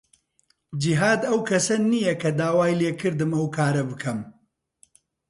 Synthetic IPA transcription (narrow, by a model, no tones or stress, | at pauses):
d͡ʒiɦaːd̪ɐwkʰɐsɐnijɐkʰɐd̪aːwaːjleːkʰɨɾd̪ɨmɐwkʰaːɾɐbɨkʰɐm